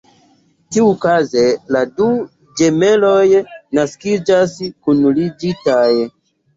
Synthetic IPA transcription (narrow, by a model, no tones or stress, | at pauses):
tiukazeladu | d͡ʒe̞me̞lo̞jnaskid͡ʒaskunlid͡ʒitaj